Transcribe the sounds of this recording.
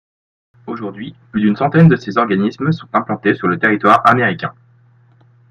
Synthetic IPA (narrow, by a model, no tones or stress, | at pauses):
oʒuʁd̪ɥiplyd̪ynsɑ̃t̪ɛnd̪əsezɔʁɡanismsɔ̃t̪ɛ̃plɑ̃t̪esyʁlət̪eʁit̪waʁameʁikʲɛ̰̃